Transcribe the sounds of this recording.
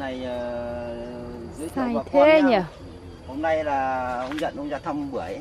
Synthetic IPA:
na˨˩jəː˨˩ | z̰saː˧˩jt̪ʰe˨˦ɲa˨˩ | ho˧mna˧jlaː˨˩ə˧wŋ͡mzə̰˧˨nʔə˧wŋ͡mzaː˧t̪ʰə˧mɓɨ˧˩əj

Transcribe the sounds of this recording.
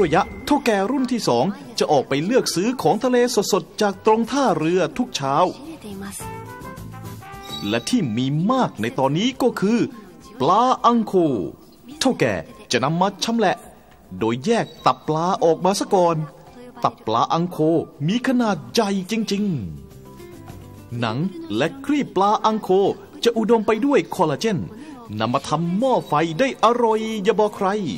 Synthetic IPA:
ɾa˧˩ja˦˥ʔt̪ʰa˥˩wkɛː˨˩ɾu˥˩nt̪ʰiː˥˩sɔː˩˦ŋ | t͡ɕa˨˩ʔɔː˨˩k̚pa˧jlɯ˥˩ək̚sɯː˦˥kʰɔː˩˦ŋt̪ʰa˧leː˧so˨˩t̪̚so˨˩t̪̚t͡ɕaː˨˩k̚t̪ɾo˧ŋt̪ʰaː˥˩ɾɯ˧ɐt̪ʰu˦˥k̚t͡ɕʰaː˦˥w | lɛ˦˥ʔt̪ʰiː˥˩miː˧maː˥˩k̚na˧jt̪ɔː˧nːiː˦˥kɔː˥˩kʰɯː˧ | plaː˧ʔa˧ŋkʰoː˧˩ | t̪ʰa˥˩wkɛ̰ː˨˩t͡ɕa˨˩ʔna˧mːa˦˧t͡ɕʰa˦˥mlɛ˨˧ʔ | doː˧jːɛː˥˩k̚t̪a˨˩pːlaː˧ʔɔː˨˩k̚maː˧sa˧˥kɔː˧n | t̪a˨˩pːla̰ː˧ʔa˧ŋkʰoː˧miː˧˥kʰa˧naː˨˩t̪̚ja˨˩jt͡ɕi˧ŋt͡ɕi˧ŋ | na̰˩˦ŋlɛ˦˥kʰɾiː˥˩pːlaː˧ʔa˧ŋkʰoː˧ | t͡ɕa˨˩ʔu˨˩do˧mpa˧jdu˥˩əjkʰɔː˧laː˧t͡ɕe˥˩n | na˧mːaː˧t̪ʰa˧mːɔː˥˩fa˧jdaː˥˩jʔa˧ɾo˧jːa˧bɔː˧kʰɾa˧j

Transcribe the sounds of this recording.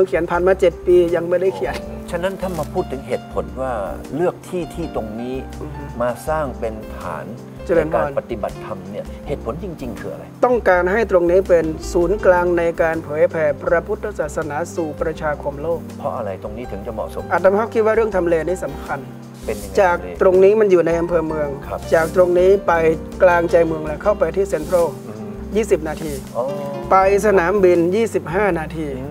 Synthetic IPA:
ɯ˧˦kʰi˩˦npʰaː˨˩nmaː˧t͡ɕe˨˩t̪̚piː˧ja˧ŋma˥˩jda˥˩jkʰi˨˩˦ənt͡ɕʰa˥˩na˦˥nt̪ʰa˥˩maː˧pʰuː˥˩t̪ʰːɯ˩˦ŋɦeː˨˩t̪̚pʰo˩˦nwaː˥˩lɯ˥˩ək̚t̪ʰiː˥˩t̪ʰiː˥˩t̪o˧ŋniː˦˥ʔɯː˧m˦˥maː˧saː˥˩ŋpe˧nt̪ʰa̰ː˩˦n | t͡ɕa˧lɤː˧npkaː˧npa˨t̪i˨˩ba˨˩t̪ʰːa˧mni˥˩ɐheː˨˩t̪̚pʰo˨˦nt͡ɕi˧ŋt͡ɕi˧ŋkʰɯː˧a̰˧ɾa̰˧jt̪ɔ˥˩ŋkaː˧nɦa˥˩jt̪ɾo˧ŋniː˦˥pe˧nsuː˩˦nklaː˧ŋna˧jkaː˧npʰɤː˩˦jpʰɛː˧pɾa˧pʰu˦˥t̪̚ʰːsaː˨˩t̪̚sa˧naː˩˦suː˨˩pɾa˧t͡ɕʰaː˧kʰo˧mloː˥˩k̚pʰɔ˦˥ʔa̰˧ɾa̰˧jt̪o˧ŋniː˦˥t̪ʰɯ˩˦ŋt͡ɕa˧˩mɔ̰˨˩so̰˨˩˦ʔa˨t̪̚ːa˧mpʰɔ˦˥kʰi˦˥t̪̚waː˥˩ɾɯ˥˩əŋt̪ʰa˧mleː˧niː˦˥sa˩˦mkʰa˧n˧ | t͡ɕaː˨˩k̚t̪ɾo˧ŋniː˦˥ma˧njuː˨˩na˧jʔa˧mpʰɤː˧mɯ˧əŋʰ˧t͡ɕaː˨˩k̚t̪ɾo˧ŋniː˦˥pa˧j | klaː˧ŋt͡ɕa˧jmɯ˧əŋlɛ˧˩kʰa˥˩wpa˧jt̪ʰiː˥˩se˧npʰɾo˥˩ | jiː˥˩si˨˩p̚naː˧t̪ʰiː˧ | o˧pa˧jsa˧naː˩˦mbi˧njiː˥˩si˨˩p̚ɦaː˥˩naː˧t̪ʰiː˧

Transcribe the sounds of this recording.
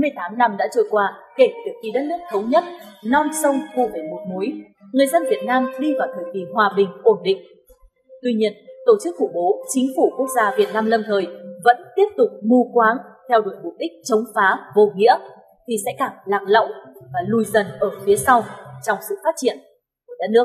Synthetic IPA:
mɨ˧əjt̪aː˨˦mna˧mɗa̰ː˧˥t͡ɕə˧˩jkwaː˧ke˧˩t̪i˨˩ək̚ki˧˩ɗə˦˥t̚nɨ˦˥ək̚t̪ʰə˨˦wɲə˦˥t̚nɔ˧nsə˧wŋ͡mvṵ˧˩mə˨˩jmo˨˩t̚mu˨˦j | ŋɨ˨˩əjzə˧nvi˨˩ət̚naː˧mɗi˧vaː˨˩wt̪ʰəː˨˩jki˨˩ɦwaː˨˩ɓï˨˩ŋ̟ʔo˧˩nɗḭ̈˧˨ŋ̟ | t̪wi˧ɲi˧ənt̪o˧˩t͡ɕɨ˦˥k̚fu˧˩ɓo˨˦t͡ɕï˨˦ŋ̟fu˧˩ku˦˥ək̚zaː˧vi˨˩ət̚naː˧mlə˧mt̪ʰəː˨˩jvə̰˧˥nt̪i˦˥əp̚t̪ʊ˨˩k͡p̚mu˧kwaː˨˦ŋt̪ʰɛ˧wɗu˧˩ək̚mʊ˨˩p̚ɗï˦˥k̟̚t͡ɕə˨˦wŋ͡mfaː˨˦vo˨˩ŋḭ˧˥ə | t̪ʰi˨˩sɛ̰˧˥kaː˧˩ŋlaː˨˩k̚lə̰˧˨wvaː˨˩lu˨˩jzə˨˩nʔəː˧˩fi˨˦əsa˧wt͡ɕɔ˧wŋ͡msɨ̰˧˨faː˦˥t̚t͡ɕi˧˩ən˧˩ | ɗə˦˥t̚nɨ˦˥ək̚

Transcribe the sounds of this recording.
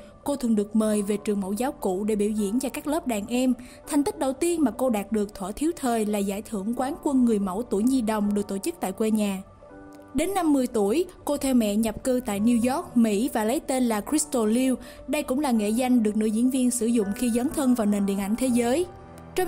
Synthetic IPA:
ko˧t̪ʰɨ̰˧˩əŋɗɨ˨˩ək̚məː˨˩jve˨˩t͡ɕɨ˨˩əŋmə̰˧˥˩wzaː˨˦wkṵ˧˨ɗe˧˩ɓi˧˩əwzḭ˧˩ənt͡ɕɔ˧kaː˦˥k̚ləː˦˥p̚ɗaː˨˩ŋʔɛ˧m | t̪ʰa˨˩ŋ̟t̪i˦˥k̚ɗə˨˩wt̪i˧ənmaː˨˩ko˧ɗaː˨˩t̚ɗɨ˨˩ək̚t̪ʰwaː˧˩t̪ʰi˨˦wt̪ʰəː˨˩jlaː˨˩zaː˧˩jt̪ʰɨ˧˩əŋkwaː˨˦nkwə˧nŋɨ˨˩əjmə̰˧˩wt̪u˧˩əjzi˧ɗə˨˩wŋ͡mɗɨ˨˩ək̚t̪o˧˩t͡ɕɨ˦˥k̚t̪a̰ː˧˨jkwe˧ɲaː˨˩ | ɗe˨˦nːa˧mːɨ˧əjt̪u˧˩əjko˧t̪ʰɛ˧wmɛ̰˧˨ɲa˨˩p̚kɨ˧t̪a̰ː˧˨jni˧wzɔ˦˥k̚mḭ˧˥vaː˨˩lə˨˦jt̪e˧nlaː˨˩kɹi˦˥st̪o˧li˧w | ɗə˧jkʊ̰˧˥ŋ͡mlaː˨˩ŋḛ˧˨za˧jŋ̟ɗɨ˨˩ək̚nɨ̰˧˥zḭ˧˥ənvi˧ənsɨ˧˩zʊ̰˧˨ŋ͡mxi˧zəː˨˦nt̪ʰə˧nvaː˨˩wne˨˩nɗḭ˧˨ənʔa˧˩jŋ̟t̪ʰe˨˦zəː˨˦j | t͡ɕɔ˧

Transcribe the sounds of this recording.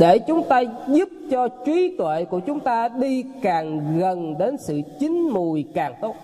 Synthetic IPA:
ɗe˧˩t͡ɕʊ˨˦ŋ͡mt̪aː˧zu˦˥p̚t͡ɕɔ˧t͡ɕwi˨˦t̪wḛ˧˨kṵ˧˩ət͡ɕʊ˨˦ŋ͡mt̪aː˧ɗi˧kaː˨˩ŋɣə˨˩nɗe˨˦nsɨ̰˧˨t͡ɕï˨˦ŋ̟mu˨˩jkaː˨˩ŋt̪o˦˥t̚

